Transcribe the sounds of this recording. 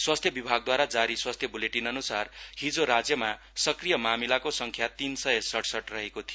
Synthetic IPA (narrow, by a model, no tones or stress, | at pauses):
swast̪ʰjʌbibʱaɡ̚d̪waɾad͡zaɾiswast̪ʰjʌbuleʈinʌnusarhid͡zoɾad͡zjʌma | sʌkrijʌmamilakosʌŋkʰjat̪insʌjʌsʌʈʰsʌʈrʌɦekot̪ʰij